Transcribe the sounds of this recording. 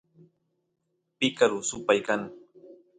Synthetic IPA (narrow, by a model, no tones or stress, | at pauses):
pɪkaɾʊsʊpajkaŋ